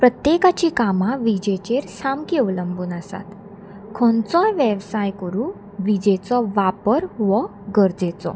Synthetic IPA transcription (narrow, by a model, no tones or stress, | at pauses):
pɾət̪jekat͡ɕiːkamãʋid͡ʑet͡ɕeɾsamkiɔwləmbuːnəsa̰t̪ | kʰɔ̃nt͡sɔ̃jʋeʋsajkəɾũ | ʋid͡ʑet͡sɔʋapəɾʋɔ | ɡəɾd͡zet͡sɔ̰